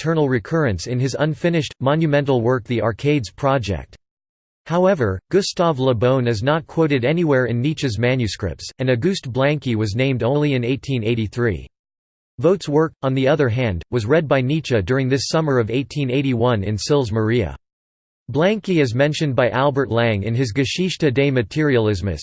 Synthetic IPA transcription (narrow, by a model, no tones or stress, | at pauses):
tʰɜ˞nl̩ˠɹɨkʰɜ˞ɨ̃nsɨ̃nɨzʌ̃nfɪ̃nɨʃtmɑ̃njɨmɛ̃ntˡl̩ˠwɜ˞k̚ðiʔɑɹkʰeɪdz̥pʰɹ̥ɑd͡ʒɛ̰k̚t̚ | haʊɛvə˞ɡ̥ʊstɑvləbõʊ̃nɨznət̚kʰw̥oʊɾɨɾɛniwɛɹɨ̃nːit͡ʃɨzmæ̃njʉskɹɪ̰p̚tsɨ̃nɨɡʉst̚b̥læ̃ŋkiwʌznẽɪ̃mdõʊ̃nliɨ̃neɪtʰĩneɪɾiθɹḭ | voʊtswɜ˞kn̩ðiʌðə˞ɦæ̃nd̚wʌzɹɛd̚baɪnit͡ʃɨdʊɹɪ̃ŋðɪsʌmə˞ʌveɪtʰĩneɪɾiwʌ̃nɪ̰̃nsɪlˠzmə˞iɨ̰ | blæ̃ŋkiɨzmɛ̃nʃɨ̃nbaɪʔælˠbə˞tˡlæ̃ŋɨ̰̃nɨzɡɨʃiʃtɨdeɪmɨtʰɪɹiəl̩ˠɪzmɨ̰s